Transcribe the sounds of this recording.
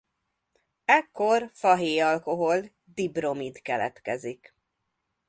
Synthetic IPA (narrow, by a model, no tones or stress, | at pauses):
ɛkːo̞rfɒɦeːjɒlko̞ɦo̞l | d̪ibro̞mid̪kɛlɛ̰t̪kɛzik